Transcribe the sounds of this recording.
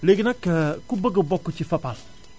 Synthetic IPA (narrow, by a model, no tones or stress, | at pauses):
leɡinakəkubəɡəbɔkːut͡ʃifapal